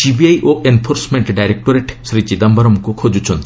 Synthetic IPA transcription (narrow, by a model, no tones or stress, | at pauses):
sibiajʔoʔenpʰoɾsmeɳʈɖajɾek̚ʈoɾeʈsɾit͡ʃid̪ambɔɾɔmkukʰod͡ʒut͡ʃʰɔnt̪i